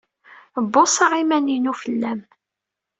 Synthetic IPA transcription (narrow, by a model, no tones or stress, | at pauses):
bːosˤɑʁimæninufəlːæm